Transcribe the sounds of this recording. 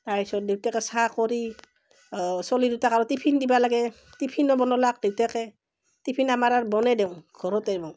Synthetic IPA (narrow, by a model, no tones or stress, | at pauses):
taɹpisɔt̚diwtɛkɛsakɔɾi | sɔlidutakaɹɔtipʰindibalaɡɛ | tipʰinɔbɔnɔlak̚d̥iwtɛkɛ | tipʰinamaɾaɹbɔnɛdew̃ɡ̥ʱɔɾɔtɛbɔ